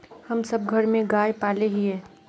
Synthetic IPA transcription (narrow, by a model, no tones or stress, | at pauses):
hɐmsɐb̚ɡʱɐɾmẽɡaːjpaːleɦiɦɛː